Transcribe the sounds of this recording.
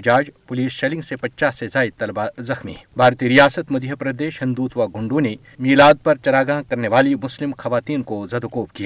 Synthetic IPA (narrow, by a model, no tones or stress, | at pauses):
d͡ʒaːd͡ʒpʊliːsʃeːlɪ̃ŋɡsepɐtːt͡ʃaːsːezaːɪt̪ːɐlbazɐxmḭɛbʱaːɾt̪iɾijaːsət̪mɐd̪ʱjəpɾɐd̪eːʃhɪ̃nd̪uːt̪ʋaɡʱʊ̃ɳɖõne | miːlaːd̪̚pɐɾt͡ʃɐɾaːɡãːkɐɾneʋaːlimʊslɪmxɐʋaːt̪iːnkozɐd̪okoːpkijaː